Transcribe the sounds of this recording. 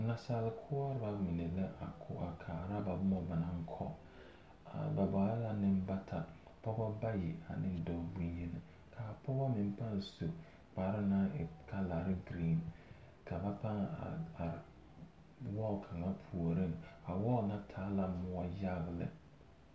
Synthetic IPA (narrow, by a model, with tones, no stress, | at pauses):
na˨sa˨lɪ˦kʰʊ˦a˦ɾba˦mɪ˨ne˨lɛ˦ʔa̰˨kʰʊ˦a˨kʰaː˨ɾa˦ba˨bʊ˦mɔ˦˨ba˨na˦ŋ˦kʰɔ̰˦ | a˨ba˨ba˨˦a˦la˨nɪ˦m̩˦ba˦tʰa˨ | pɔ˦bɔ˦ba˦jɪ˨a̰˨nɪ˦n˦dɔ˦bu˦ɲ˦ɛ˦nɪ˨ | kʰa˨pʰɔ˦bɔ˦mɪ˨m˦pa˦n˨so˨ | k͡pa˨˦ɾɪ˦na˦ɪ˨kʰa˦la˨ɾɪ˦ɡɾiː˦˨n | kʰa˨ba˦pa˦ŋ˦˨a˨ | wɔ˦˨kʰa˨ŋa˦pʰu˨o˨ɾɪ˦ŋa˨wɔ˦˨na˦tʰaː˨˦la˨˦mʊ˦a˦ja˦˨ɣlɪ̰˦